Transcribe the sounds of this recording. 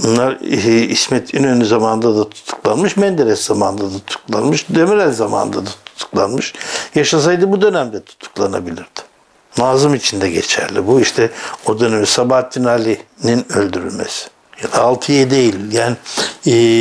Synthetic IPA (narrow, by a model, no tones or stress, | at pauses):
unlˠaɾismɛt̪ʰinønyzamanɯnd̪ad̪at̪ʰu̥t̪ʰu̥klˠanmɯʃmɛnd̪eɾɛszamanɯnd̪ad̪at̪ʰu̥klˠanmɯʃd̪emiɾælʲzama̰nɯ̰nd̪ad̪at̪ʰu̥t̪ʰu̥klˠanmɯʃjaʃas̬ajd̪ɯbud̪ø̞næmd̪ɛt̪ʰu̥t̪ʰu̥klˠanabilʲiɾd̪̥ɪ̥ | naːzɯmit͡ʃʰind̪ɛɟet͡ʃʰæ̰ɾlʲibuiʃt̪ʰɛo̞d̪ø̞nemisabaat̪ʰːinalʲininølʲd̪yɾylʲmḛsi̥ | jad̪aːlˠt̪ʰɯjɛd̪e̞jilʲjaːnɪː